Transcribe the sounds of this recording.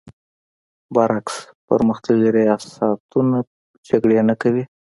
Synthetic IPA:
bɑɾaks | pə̰ɾməxt̪aɡiɾijɑsat̪una | d͡ʒaɡɽenakawi

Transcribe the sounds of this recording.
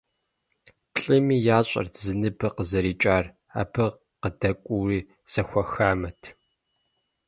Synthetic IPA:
ɬʼɨmiːjaːɕʼɐ̰rzɨnɨbɨqəzɐɾiːt͡ʃʼaːr | a̰ːbʰɨ | qədɐkʷʼuriː | sɐxʷɐxaːmɐtʰ

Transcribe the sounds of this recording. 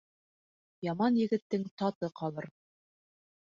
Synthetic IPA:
jɑmɑnjɘ̆ɡɘ̆t̪ːɘŋt̪ɑt̪ɤqɑlˠɤɾ

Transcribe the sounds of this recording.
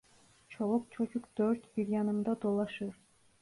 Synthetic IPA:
t͡ʃʰolˠɔk̚t͡ʃʰot͡ʃukd̪̥øɾt̪b̥iɾjɑnɯmd̪ɑd̪olˠɑʃɯɾ

